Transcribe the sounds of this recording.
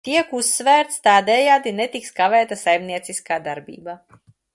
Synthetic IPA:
t̪iɛkusːvæːɾt̪st̪aːd̪ɛjaːd̪inet̪ikskavɛːt̪asajmniɛt̪siskaːd̪aɾbḭːba

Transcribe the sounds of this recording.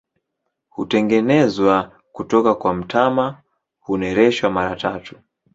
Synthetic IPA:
hutɛŋɡɛnɛzwa | kutɔkakwam̩tʰama | hunɛɾɛʃwamaɾatʰatu̥

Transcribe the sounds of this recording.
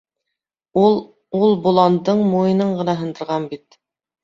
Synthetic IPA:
ulˠ | ulˠbulˠɑnd̪ɤɴmojɤnɤɴʁɤ̆nɑɦɤ̆nd̪ɤ̆ɾʁɑnbit̪

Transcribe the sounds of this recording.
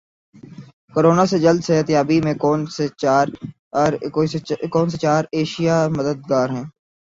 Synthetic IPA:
koɾoːnased͡ʒəld̪set̪ɪjaːbimẽkɔːnseaːɾ | ɾ | kɔːns̬et͡ʃaːɾeːʃijaməd̪əd̪̚ɡaːɾɦɛ̃ː

